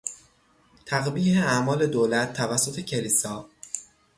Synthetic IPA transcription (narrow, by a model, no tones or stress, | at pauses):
t̪ʰæɣbiːheæʔmɒːle̞d̪oːlæt̪̚ːævæsːot̪ʰe̞cʰe̞liːsɒː